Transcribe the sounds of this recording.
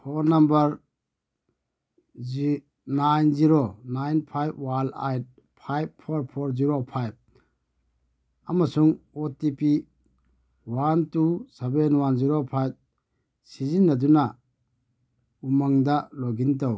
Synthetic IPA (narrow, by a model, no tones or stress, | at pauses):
pʰoɾnambɐɾ | najnziɾonajnpʰajb̚wala̰jt̚ | pʰajb̚pʰoɾpʰoɾziɾopʰajb̚ | amasuŋotipi | wantusebenwanziɾopʰajb̚ | sizinːɐduna | umaŋdaloɡint̬aw